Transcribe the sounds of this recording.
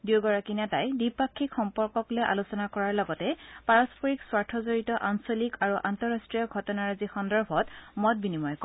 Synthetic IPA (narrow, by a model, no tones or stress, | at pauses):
dioɡɔɹakinatajdipakʰːikxɔmpɔɹkɔklojʔa̰lusɔnakɔɹaɹlɔɡɔtɛpaɹɔspɔɹikswaɹtʰɔzoɹitɔʔansɔlikaɹuʔantɔɹastɹijɔɡʱɔtɔnaɹzixɔndɔɹbʱɔtmɔt̚binimɔjk